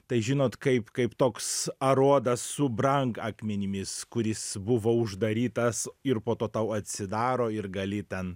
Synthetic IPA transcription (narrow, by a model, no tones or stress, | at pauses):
t̪ɐɪʒʲɪnoːt̪kɐɪpkɐɪpt̪oːksɐɾuɔd̪ɐsːʊbɾɐŋkɑːkmʲɛnʲɪmʲɪskʊɾʲɪsbʊʋoːʊʒd̪ɐɾʲiːt̪ɐsɪɾpoːt̪oːt̪ɐʊɐt̪ʲsʲɪd̪ɑːɾoːɪɾɡɐlʲɪt̪ʲɛn